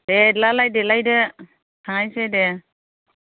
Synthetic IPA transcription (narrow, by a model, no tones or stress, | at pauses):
dɛdlalajdɛlajdɛ | tʰaŋajsedɛ